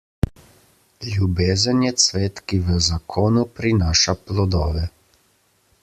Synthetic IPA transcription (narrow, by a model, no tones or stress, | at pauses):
lʲjubeːzənjɛsʋeːt̪kiʋəzakʰoːnupɾinaːʃaplɔd̪ɔːʋɛ